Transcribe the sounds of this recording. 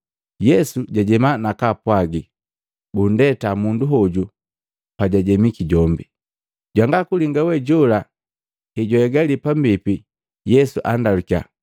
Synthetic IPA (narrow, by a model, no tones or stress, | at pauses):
jɛsuɟaɟɛmanakapwaɡi | bundɛtamunduɦɔɟu | paɟaɟɛmikiɟɔmbi | ɟwaŋɡakuliŋɡawɛɟɔla | hɛɟɔɛɡalipambipi | jɛsuʔandalukia̰